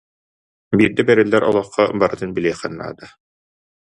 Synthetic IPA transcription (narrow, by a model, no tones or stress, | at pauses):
biːɾd̪ɛbɛɾilːɛɾʔɔlˠɔχːɔbaɾɯt̪ɯnbiliːχɛnːa̰ːd̪a